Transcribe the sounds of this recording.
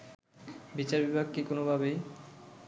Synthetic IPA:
bit͡ɕaɾbibʱaɡ̚kikonobʱabej

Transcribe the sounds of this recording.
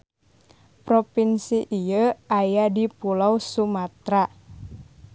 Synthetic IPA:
pɾopinsiʔijəajadipulawsumat̪ɾa

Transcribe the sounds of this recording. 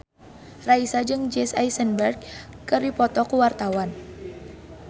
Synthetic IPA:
raisad͡ʒɨŋd͡ʒɛsajsənbɛrɡ̚kɨrɾipɔt̪ɔkuwart̪awan

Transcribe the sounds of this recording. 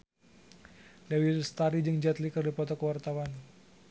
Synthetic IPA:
dawilst̪aɾid͡ʒɨŋd͡ʒat̪likərdipɔt̪ɔkəwart̪awan

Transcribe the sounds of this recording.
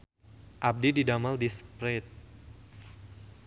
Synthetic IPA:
ʔab̚dididamaldispɾet̪̚

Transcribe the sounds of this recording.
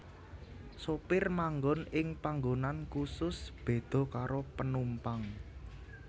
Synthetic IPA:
sopɪrmaŋɡɔnɪŋpaŋɡonankusʊsb̥e̤d̪̥ɔ̤kaɾopənumpaŋ

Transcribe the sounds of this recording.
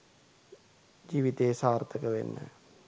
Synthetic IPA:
d͡ʒiːʋit̪eːsaːrt̪əkəʋḛnːə̰

